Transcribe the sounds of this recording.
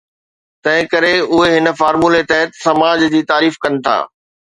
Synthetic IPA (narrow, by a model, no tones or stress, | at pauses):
t̪ɐ̃ɦɪ̃kɐɾeʊɦeɦɪnə̆faːɾmuːlet̪ɐɦət̪sɐmaːd͡ʑd͡ʑiːt̪aːɾiːfkɐnɪ̆t̪ʰa̰ː